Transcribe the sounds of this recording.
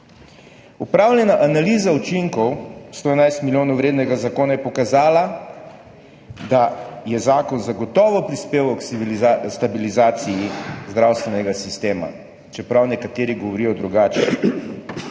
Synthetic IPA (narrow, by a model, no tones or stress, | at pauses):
upɾaːwljɛnaʔanaliːzaut͡ʃiŋkɔwst̪oːɛnajst̪miljoːnɔwɾeːd̪nɛɡazakoːnajɛpɔkazaːla | d̪ajɛzaːkɔnzaɡɔt̪ɔːʋɔpɾispeːwɔkst̪abilizaːt̪sijizd̪ɾawst̪ʋɛnɛɡasist̪eːma̰ | t͡ʃɛpɾawnɛkat̪eːɾiɡɔʋɔɾiːjɔd̪ɾuɡaːt͡ʃɛ